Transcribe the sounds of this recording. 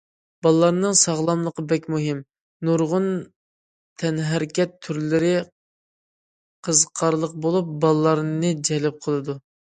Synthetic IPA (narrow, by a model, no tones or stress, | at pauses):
b̥ɑlˠlˠɑɾnɨŋsɑʁlˠɑmlˠəqəbɛkʲmuɦɪm | nuɾʁʊn | t̪ʰɛnɦæɾkʲɛt̪ʰːyɾlɪɾɪ | qʰəzqʰɑɾlˠəq̚bolˠup̚bɑlˠlˠɑɾnɨd͡ʒɛlɪp̚qʰəlˠɨd̪u